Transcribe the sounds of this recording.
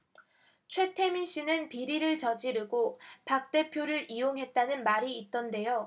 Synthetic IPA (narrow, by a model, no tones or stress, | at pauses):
t͡ɕʰwe̞tʰe̞minɕ͈ʰinɯnpiɾiɾɯɭt͡ɕʌd͡ʑiɾɯɡopak̚t͈e̞pʰjoɾɯɾijoŋɦe̞t̚t͈anɯnmaɾiːt̚t͈ʌnde̞jo